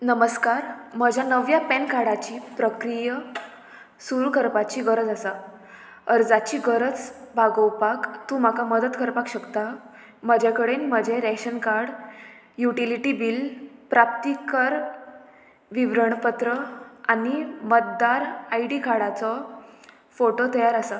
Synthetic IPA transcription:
nəməskaɾməd͡ʑʱanəʋjapɛnkaɽat͡ɕiːpɾəkɾijə | suɾkəɾpat͡ɕiːɡəɾət͡sasa | əɾd͡zat͡ɕiːɡəɾət͡sbʱaɡəwpakt̪ũːm̤akaməd̪ət̪kəɾpakɕəkt̪a | m̤əd͡ʑʱakəɽenm̤əd͡ʑeɾɛɕənkaɾɽ | juʈiliʈibilpɾap̚t̪ikəɾ | ʋiʋɾəɳpət̪ɾəanimət̪̚d̪aɾajɖikaɽat͡sɔ | foʈot̪əjaɾasa

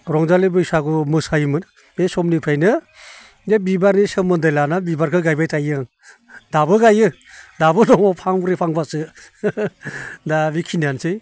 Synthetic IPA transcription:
ɾɔŋzalibɯjsaɡɯmɯsajmɯn | esɔmnipʰɯjnɯ | debibaɾnisɯmɯndɯjlanabibaɾkʰɯɡajbajtʰajɯŋ | dabɯɡajɯ | dabɯlɔŋɔpʰaŋɾepʰaŋbasɯ | dabikʰinansɯj

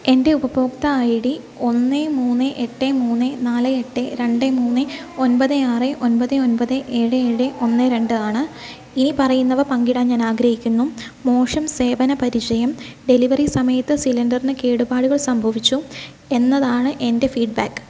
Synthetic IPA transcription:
e̞nde̞ubɐboːkt̪ɐajiɽi | o̞nːemuːnːɨʔeʈːemuːnːɨnaːlɨeʈːeɾe̞ɳɖemuːnːɨ | o̞npɐðɨaːrɨʔo̞npɐðɨo̞npɐðɨʔe̞ːɻɨeːɻɨʔo̞nːɨɾe̞ɳɖɨaːɳɨ | inipɐrɐjunːɐʋɐpɐŋɡiɽaːmɲaːnaːɡɾɐɦikʲːunːumo̞ːʂɐmse̞ːbɐnɐpɐɾit͡ɕɐjɐmɖe̞liʋɐrisɐmɐjɐt̪ːɨsilɐnɖɐrinɨke̞ːɽubaːɽuɣɐɭsɐmbʱɐʋit͡ɕːu | e̞nːɐðaːɳɨʔe̞nde̞fiːɖ̚baːkːɨ̥

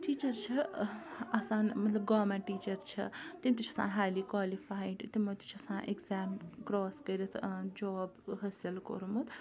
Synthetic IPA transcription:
ʈiːt͡ʃɐɾt͡ʃʰɐ | ɐsaːnmɐt̪lɐb̚ɡɔmãʈit͡ʃɐɾt͡ʃʰɐ̰t̪imit̪ut͡ʃʰɐsã̰ːɦajlikwaːlipʰajɖt̪imot̪i̥t͡ʃʰɐsãːʔekzaːmkɾɔskəɾit̪ʰd͡ʒɔːbɦɐsilko̰ɾumut̪ʰ

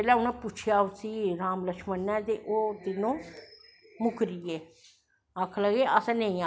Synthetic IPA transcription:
ɛːlɛːʊnãːpʊt͡ʃʰɪjaːʊsiːɾaːmləkʃmənːɛ̃ːt̪eːʔoːt̪ɪnõː | mʊkʰɾieː | əkʰləɡeːʔəsãːnə̃ĩːaː

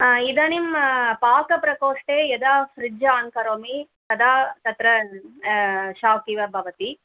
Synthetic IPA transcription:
id̪ɐnimpaːkɐpɾɐkoːʂʈeːjɐd̪aːfɾɪd͡ʒaːŋkɐɾoːmit̪ɐd̪aːt̪ɐt̪ɾɐ | ʃaːkiʋɐbʱɐʋɐt̪i

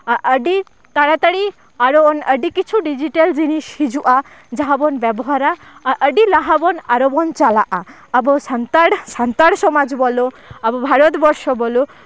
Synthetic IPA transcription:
aʔəɖi | t̪aɽat̪aɽi | aɾɔɔnəɖikit͡ʃʰuɖid͡ʒiʈeld͡ʒiniʃhid͡ʒuʔa | d͡ʒaɦabɔnbɛbɔɦaɾa | ʔəɖilaɦabɔnaɾɔbɔnt͡ʃalaʔa | abɔsant̪aɽsant̪aɽsɔmad͡ʒbɔlo | abɔbʱaɾɔt̪bɔɾʃɔbɔlu

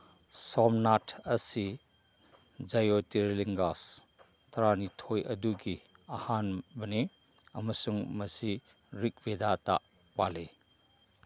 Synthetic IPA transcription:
sɔmnatʰɐsi | d͡ʒajotiɾliŋɡas | tɐɾanitʰojʔɐ̰duɡi | ɐhanbɐne | ɐmɐsuŋmɐsi | ɾik̚bedata̰ʔ | pale

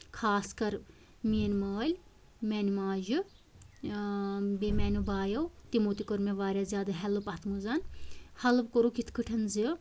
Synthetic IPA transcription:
kʰaːskɐɾ | mienməːlʲ | mɛnmaːʒɨ | bemɛnʲubaːjɐwt̪imut̪ikoɾmeʋaːɾʲazʲjaːd̪ɨɦɛlɨpɐt̪ʰmuzɐnhɐlɨpkoɾukit̪ʰkʰɨʈʰɐnzi

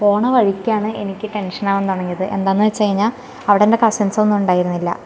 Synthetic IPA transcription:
po̞ːɳɐʋɐɻikʲːaːɳɨenikʲːɨʈe̞nʂɐnaːʋent̪ɐɳɐŋːijɐðɨʔe̞̰nd̪aːnːɐt͡ɕːt͡ɕejiɲːal | ɐʋiɽeinde̞kɐsɐnsɐonːumuɳɖaːjiɾunːilːɐ̰

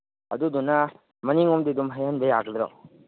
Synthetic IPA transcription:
ɐ̰d̪ud̪una | mɐniŋɔmd̪id̪umɦɐjɐnbejaɡd̪ɾɔ̰

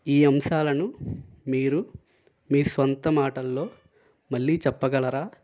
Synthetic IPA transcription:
iːɐmʃaːlɐnu | miːɾu | miːsʋɐnt̪ɐmaːʈɐlːo̞ː | mɐɭːiːt͡ʃɛpːɐɡɐlɐɾaː

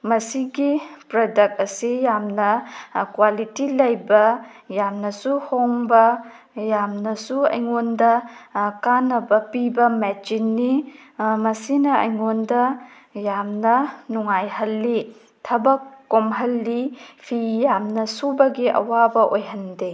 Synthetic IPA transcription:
mɐsiɡipɾodɐk̚t̚ɐsijamnɐkwalitilɐjbɐjamnɐsuhoŋbɐ | jamnɐsuɐ̰jŋondɐkanːɐbɐpibɐmɛd͡ʒinːimɐsinɐɐjŋondɐ | jamnɐnuŋajɦɐlːi | tʰɐbɐkːomɦɐlːipʰijamnɐsubɐɡiʔɐ̰wabɐʔojɦɐnde

